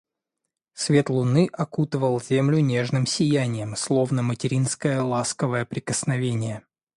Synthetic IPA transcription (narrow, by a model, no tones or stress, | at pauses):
svʲe̞t̪lˠʊnɨʔɐkut̪əvəlˠzʲemlʲʊnʲe̞ʐnɨmsʲɪjænʲɪjəmslˠo̞vnəmətʲɪɾʲinskəjəlˠaskəvəjəpɾʲɪkəsnɐvʲenʲɪjə